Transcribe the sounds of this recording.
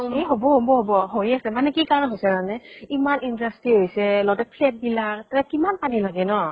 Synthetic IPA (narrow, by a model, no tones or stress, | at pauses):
ɦeɦobɔɦobɔɦobɔɦojasɛmanɛkikaɹɔnɦojsɛnanɛimanindastɹiɦojsɛlɔtɛk̚pʰlɛt̚bilataɹɛkimanpanilaɡɛnɔ